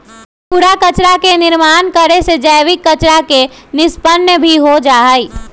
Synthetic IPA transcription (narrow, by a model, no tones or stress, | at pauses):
puɾakət͡ʃɾakenɪɾmaːnkəɾesed͡ʒaːʋɪkːət͡ʃɾakenɪspənːəbʱiɦod͡ʒaːi